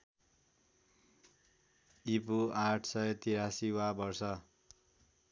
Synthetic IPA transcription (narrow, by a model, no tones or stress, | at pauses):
ipuaʈʰsʌjt̪iɾasiwabʌrsʌ